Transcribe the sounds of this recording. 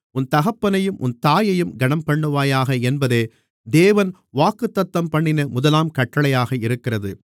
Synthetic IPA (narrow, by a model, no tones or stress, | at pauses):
ʊnt̪ɐɣɐpːɐnɐjɯmʔʊ̰nt̪aːjɐjɯmɡɐɳɐmpɐɳːɯʋaːjaːɣɐɛnbɐðeː | d̪eːʋɐn | ʋaːkɯt̪ːɐt̪ːɐmpɐɳːɪnɐmʊðɐlaːmkɐʈːɐɭɐjaːɣɐɪɾɯkːɪrɐðɯ